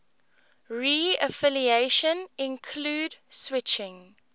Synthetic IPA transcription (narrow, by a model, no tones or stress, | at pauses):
ɹiəfɪlieʃə̃nɪ̃nkʰluːdswɪt͡ʃɪ̃ŋ